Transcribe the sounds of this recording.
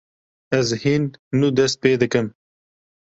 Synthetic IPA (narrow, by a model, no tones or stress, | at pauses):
ɛzhinːuːd̪ɛst̪̚peːd̪ɨkɨm